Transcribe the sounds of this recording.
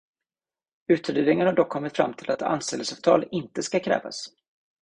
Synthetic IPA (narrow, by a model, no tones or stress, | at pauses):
ʉ̟ːt̪ʰʏd̪yːd̪ɪŋənhaɖɔkʰːɔmːɪt̪fɾa̰mːt̪ʰɪlat̪a̰nst̪ɛləsɑːv̥t̪ʰɑ̰ːlɪnt̪əskakʰɾɛ̰ːva̰s